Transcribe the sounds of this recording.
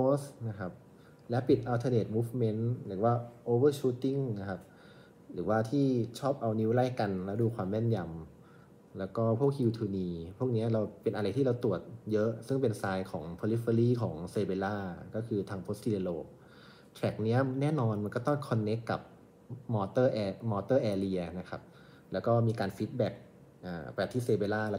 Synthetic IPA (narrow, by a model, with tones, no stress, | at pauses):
pʰoː˦˥sna˦˥kʰa˦˥p̚ | lɛː˦˥pi˨˩t̪̚ʔa˧t̪ʰɤː˧neː˨˩t̪̚muː˦˥fme˦˥nɾɯː˩˦waː˥˩ʔoː˧wɤː˥˩t͡ɕuː˦˥t̪i˥˩ŋna˦˥kʰa˦˥p̚ | ɾɯ̰ː˩˦waː˥˩t̪ʰiː˥˩t͡ɕʰɔː˥˩p̚ʔa˧wni˦˥wla˥˩jka˧nlɛ˦˥wduː˧kʰwaː˧mːɛː˥˩nja˧m | lɛː˦˥wkɔː˥˩pʰu˥˩ək̚jiː˧t̪ʰuː˧niː˧pʰu˥˩ək̚ni˦˥ɐɾa˧wpe˧nʔa˧ɾa˧jt̪ʰiː˥˩ɾa˧wt̪u˨˩ət̪̚jɤ˦˥ʔsɯ˥˩ŋpe˧nsaː˧jkʰɔː˩˦ŋpʰoː˧li˦˥fa˧liː˥˩kʰɔ̰ː˩˦ŋseː˧beː˧laː˥˩kɔː˥˩kʰɯː˧t̪ʰaː˧ŋpʰoː˦˥sʰi˧le˧loː˧˩k̚ | t̪ʰɾɛ˨˩k̚ni˦˥ɐnɛː˥˩˨nɔː˧nma˧nkɔ˥˩t̪ɔ˥˩ŋkʰɔ˧nːe˦˥kːa˨˩p̚ | mɔː˧t̪ɤː˥˩ʔɛ˧mɔː˧t̪ɤː˥˩ʔɛː˧li˧ɐna˦˥kʰa˦˥p̚ | lɛː˦˥wkɔː˥˩miː˧kaː˧nfiː˦˥t̪̚bɛ˨˩k̚ | ʔaː˨˩pa˧˨˩t̪ʰiː˥˩seː˧beː˧laː˥˩l